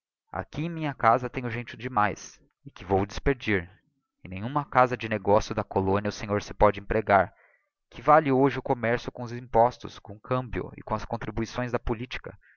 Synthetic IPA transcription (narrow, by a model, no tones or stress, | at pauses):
a̰kiẽj̃mĩɲɐkazɐt̪ẽɲʊʒẽnt͡ʃʊd͡ʒɪmajs | ɪkɪvowd̪ɪspeɾd͡ʒiɾ | ẽnẽɲ̃ũmɐkazɐd͡ʒɪneɡɔsjʊd̪ɐkolõnjɐʊsẽɲoɾsɪ̥pɔd͡ʒɪẽpɾeɡaɾ | kʰɪvalɪoʒɪʊkomɛɾsjʊkõʊzĩpɔst̪ʊ̰skõkʰɐ̃mbjʊ̰ɪ̰kõɐskõnt̪ɾibuisõj̃zd̪ɐpʊlit͡ʃi̥kɐ̰